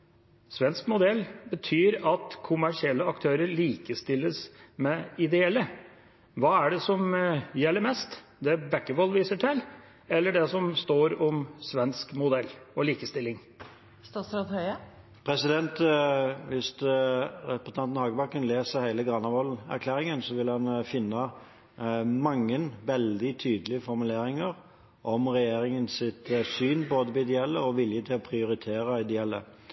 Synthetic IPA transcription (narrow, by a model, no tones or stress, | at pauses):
sʋɛnskmʊd̪ɛlːbət̪ʰyːɾɑt̪kʰʊmæʂɪɛlːəɑkt̪ʰøːɾəɾɭiːkəst̪ɪlːəsmɛɪd̪ɛɛlːə | ʋɑːæɖɛsɔmjɛlːəɾmɛst̪d̪ɛbækːəʋɔlːʋiːsəʈʰɪl | ɛlːəɖɛsɔmst̪oːɾɔmsʋɛnskmʊd̪ɛlːɔliːkəst̪ɪlːɪŋ | st̪ɑsɾɑd̪hœʏə | pʰɾɛsɪd̪ɛnt̪ʋɪst̪ | ɛpəst̪ɑnnhɑːɡəbɑkːənleːsəhæɪləɡʁɑnɑʋɔlæ̰ɾkʰlæːɾɪŋənsɔʋɪlhɑnfɪnːə | mɑŋːənʋɛld̪ɪt̪ʰyːd̪əlɪəfɔɾmʉleːɾɪŋəɾ | ʔɔmʁɛjeːɾɪŋənsɪt̪syːnboːd̪əbɛɪd̪ɛɛlːəɔʋɪljət̪ʰɪlɔpʰɾɪʊɾɪt̪ʰeːɾəɪd̪ɛɛlːə̰